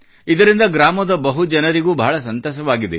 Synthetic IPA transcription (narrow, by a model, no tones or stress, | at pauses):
id̪ɐɾind̪ɐɡɾaːmɐd̪ɐbɐɦud͡ʒɐnɐɾiɡuːbʱɐːɭɐs̬ɐnt̪ɔːʃɐʋaːɡid̪e